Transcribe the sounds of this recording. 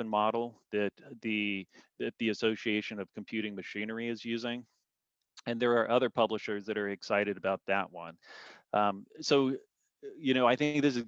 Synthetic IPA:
ɨ̃nmɑɾl̩ˠðɨt̪̚ðɨðɨt̪̚ðiɨsoʊʃieɪʃɨ̃nʌv̥kʰm̩pʰj̥ʉɾɪ̃ŋmɨʃĩnə˞iɨzjʉzɪ̃ŋ | ɨ̃nðə˞ːʔʌðə˞pʰʌbləʃə˞zðɨɾə˞ɨksaɪɾɨɾɨbaʊt̪̚ðɨʔ̚wʌ̰̃nʔʌ̃msoʊ | jɨñoʊaɪθɪ̃ŋk̚ðɪs̬ɨ

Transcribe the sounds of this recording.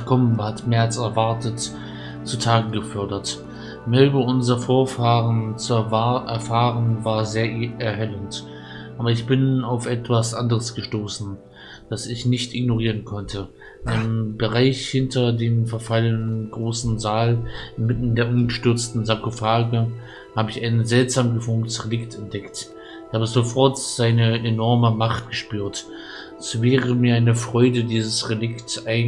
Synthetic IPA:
kʰɔmənhatmeɐalt͡sɛɐvaɐtət | t͡sutʰaːɡŋ̩ɡəfœɐdɐt | mɛlbəʔʊnzɐfoːɐfaːʁənt͡suaʔɛɐfaːʁənvaːɐzeːɐʔɛɐɦɛlənt | ʔaːbɐɪçb̥ɪnaʊfʔɛtv̥asʔandəʁəsɡ̥əʃtoːsn̩ | d̥asɪçnɪçtɪɡnoʁ̞iːʁənkʰɔntʰə | ʔambəʁaɪçhɪntɐdeːmfɛɐfalənənɡʁoːsn̩zaːlʔɪnmɪtn̩deːɐʔʊmɡəʃtʏɐt͡stn̩zakofaːɡə | haːbəɪçaɪnzɛltz̥aːmɡəfʊŋtəsʁelɪktʰɛnt̚d̥ɛkt | çhaːbəzofɔɐtz̥aɪnəʔenɔʁməmaχt̚ɡ̥əʃpyːɐt | ɛsvɛːʁəmiːɐʔaɪnəfʁ̥ɔʏdədiːzəsʁelɪktaɪ

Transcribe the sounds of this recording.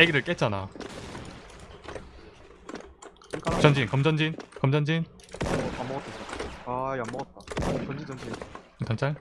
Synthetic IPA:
eɡiɾɯɭk͈et͡ɕ͈ana | k͈at͡ɕʌnd͡ʑinkʌmd͡ʑʌnd͡ʑinkʌmd͡ʑʌnd͡ʑin | oamːʌt̪ʰis͈ʌajamːʌʌt̚t͈at͡ɕʌnd͡ʑid͡ʑʌnd͡ʑin | tant͡ɕ͈ʰaɭ

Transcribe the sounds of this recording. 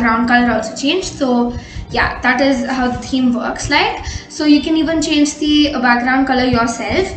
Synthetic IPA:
ɾãw̃ɳɖ̚kələɾawt͡sət͡ʃẽnd͡ʒsoja̰d̪̥aʈɪzɦawt̪ʰĩːmʋəɾkslaɪksojukɛ̃niːʋə̃nt͡ʃẽnd͡ʒt̪ibakɾãʊ̃ɳɖ̚kələjɔɾsɛlf

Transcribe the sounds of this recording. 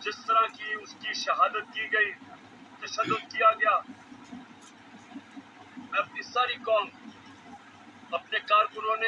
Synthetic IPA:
d͡ʒɪst̪əɾãːkiʊskiʃəɦaːd̪ət̪̚kiːɡɐiː | t̪ɐʃənːʊkkijaːɡɪjaː | ɛɐp̚nisaːɾiːkaːm | ɐpneːkaːɾkʊɾõːne

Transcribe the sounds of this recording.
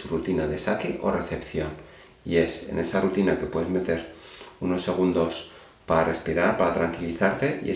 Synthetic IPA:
surut̪inaðe̞sakeʔo̞re̞θe̞pθjo̞n | ḭe̞se̞̰ne̞sarut̪inake̞pwe̞ðe̞zme̞t̪e̞ɾuno̞sːe̞ɣ̞und̪o̞s | pare̞spiɾaɾpaɾat̪ɾaŋkiliθaɾt̪e̞ʔḭḛ

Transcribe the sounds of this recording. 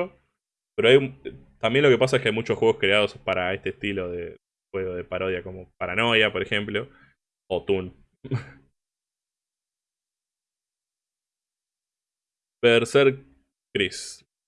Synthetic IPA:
o | peɾoajt̪ambjenloke̞pas̬aekeajmut͡ʃosxwe̞ɣo̞skɾeaðo̞spaɾaest̪eːst̪ilo̞ðe | xweɣoð̞e̞paɾo̞ð̞jako̞mo̞paɾano̞japo̞ɾexe̞mplo̞ | ot̪un | peɾseɾ | kɾis

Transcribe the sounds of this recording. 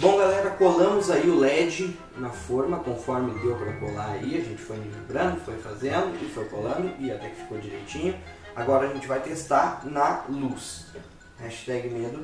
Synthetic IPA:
bõɡalɛɾɐkolɐ̃mʊzaiʊlɛd͡ʒɪ | nɐfoɾmɐkõfɔɾmɪʊd̪ewpɾakolaɾaiɐʒẽnt͡ʃɪ̥fojminẽmbɾɐ̃nd̪ʊfojfazẽnlʊɪfojkolɐ̃nd̪ʊʔɪat̪ɛkɪ̥fi̥kowd͡ʒiɾḛjt͡ʃĩɲʊ | aɡɔɾɐʒẽnt͡ʃɪvajt̪est̪anɐlus | hɛʃt̪ɛɡɪmed̪ʊ

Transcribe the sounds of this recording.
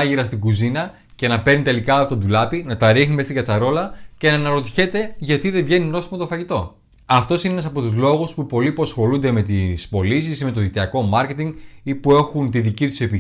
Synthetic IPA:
ʝiɾɐst̪iɡuzinɐ | ce̞nɐpe̞ɾnit̪e̞likɐːpot̪od̪ulɐpinɐt̪ɐɾixnime̞st̪iɡɐt͡sɐɾo̞lɐce̞nɐnɐɾo̞t̪i̥çe̞t̪e̞ʝɐt̪iðe̞vʝe̞nino̞st̪imɐt̪o̞fɐʝit̪o̞ | ɐft̪o̞sineenɐsɐpo̞t̪uzlo̞ɣuspupo̞liposxo̞lund̪e̞me̞t̪ispo̞lisisime̞t̪oðit̪iɐko̞mɐɾce̞t̪iŋɡipue̞xunt̪iðicit̪u̥sepi

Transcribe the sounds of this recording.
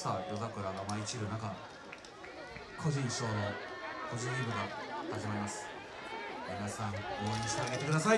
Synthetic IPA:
saːɾozakɯ̟ɾaɡamait͡ɕiɾɯ̟naka | kʰo̞ʑĩɰ̃ɕo̞ːnokʰo̞ʑĩibɯ̟ɡahaʑimaɾimasɨ̥ | minasãŋɡooɲĩɕi̥t̪eaɡe̞t̪e̞kɯ̟d̪asai

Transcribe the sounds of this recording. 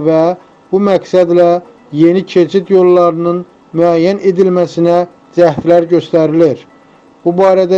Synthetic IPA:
væ | b̥umæksæd̪læ | je̞nicʰe̞t͡ʃʰit̪jo̞lˠːɑɾɯnɯn | myæjːæne̞d̪ilmæsinæ | d͡ʒæht̪læɾɟø̞st̪æɾiliɾ | b̥ubɑːɾæd̪æ

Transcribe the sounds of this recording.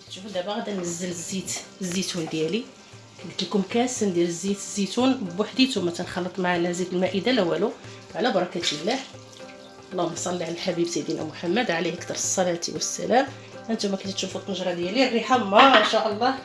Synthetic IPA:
t̪ʃufd̪æbaɣæd̪ænəzːələzːit̪əzːit̪und̪jæli | kæt̪ækumkæsənd̪jæləzːit̪zːit̪unbwaħd̪it̪umæt̪ənxɑlːət̪ˤmaʕanæzit̪əlmæʔid̪alæwælu | ʕlæbɑɾˤɑkæt̪ilːæh | lˤːɑhmsˤɑlːiʕanəlħabibsæjd̪inʔæ̰mʊħamːəd̪ʕalihəkt̪ɑɾˤsˤːɑlæt̪ḭwəsːæ̰læm | ʔənt̪umækænt̪t̪ʃufut̪nəʒɾˤɑd̪jælirːiħamæənʃæʔəlˤːɑh

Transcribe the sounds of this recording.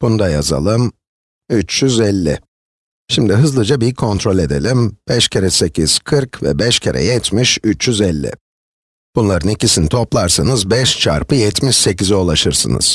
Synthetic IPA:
b̥und̪aja̰za̰lˠɯm | yt͡ʃjyzɛlʲːɪ̰ | ʃimd̪iɦɯzlˠɯd͡ʒabikʰo̞nt̪ɾo̞lʲe̞d̪e̞̰lʲimb̥ɛʃcʰeɾɛse̞cʰiz̥kʰɯɾkvɛ̰bɛʃcʰeɾɛ̰jɛt̪ʰmiʃyt͡ʃjyzɛlʲːɪ̰ | b̥unlˠaɾɯnicisinit̪ʰo̞plˠaɾsanɯzbɛʃt͡ʃʰa̰ɾpɯjɛt̪ʰmiʃse̞ciziolˠaʃɯɾsɯ̰nɯ̰z̥

